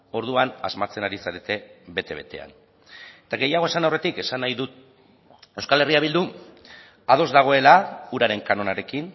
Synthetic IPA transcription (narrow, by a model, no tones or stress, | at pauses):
o̞ɾð̞uana̰zmat͡se̞naɾisaɾe̞t̪e̞βe̞t̪e̞βe̞̰t̪e̞̰a̰n | et̪aɣe̞jaɣ̞o̞e̞sanawre̞t̪ike̞sanːajðut̪̚ | e̞wskale̞riaβ̞ild̪u | að̞o̞zd̪aɣ̞o̞e̞lauɾaɾe̞ŋkano̞naɾe̞kin